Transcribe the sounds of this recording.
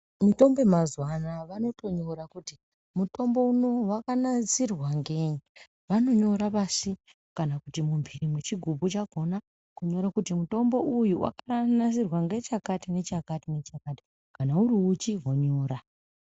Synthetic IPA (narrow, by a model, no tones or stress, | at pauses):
mito̞mbe̞mazwanaʋano̞to̞ɲo̞ɾakuti | muto̞mbo̞uno̞wakanazirwaŋɡeɲ | ʋano̞ɲo̞ɾapasi | kanakutimumbirimwe̞t͡ʃiɡʱubʱut͡ʃaɡ̥ʱo̞na | kuɲo̞ɾakutimuto̞mbo̞ʔujuwʔa̰karanazirwaŋɡe̞t͡ʃakatine̞t͡ʃakatinet͡ʃakati̥ | kanauɾiut͡ʃiɦoɲoːɾa